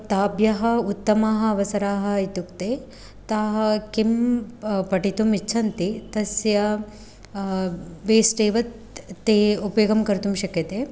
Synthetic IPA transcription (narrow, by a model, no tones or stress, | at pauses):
t̪aːbjɐɦɐut̪ːɐmaːɦɐ̆ɐʋɐsɐɾaːɦɐ̆it̪ukt̪eː | t̪aːɦɐkim | pɐʈit̪umit͡ʃːt͡ʃʰɐnt̪it̪ɐsjɐ | ʋeːsʈeːʋɐt̪ː | eːupɐjoɡɐmkɐɾt̪umʃɐkɐt̪e